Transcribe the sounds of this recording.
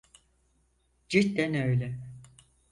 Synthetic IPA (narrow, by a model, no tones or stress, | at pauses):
d͡ʒit̪d̪ænøjlʲɛ